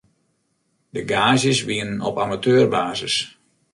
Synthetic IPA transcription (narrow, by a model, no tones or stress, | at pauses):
dəɡaːzjəsʋiənənɔ̰pamatøːrbaːzəs